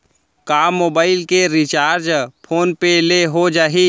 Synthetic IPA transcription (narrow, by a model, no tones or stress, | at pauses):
kaːmːoːbaːɪlkeɾit͡ʃaːɾd͡ʒpʰoːnpeleɦod͡ʒaːɦi